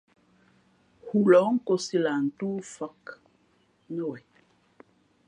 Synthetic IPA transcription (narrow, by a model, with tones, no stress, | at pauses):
hu˦lɔ˨˦ŋ̩˦ko˦si˦la˨n̩˨tuː˦fa˦k | nə˦˨wɛ˨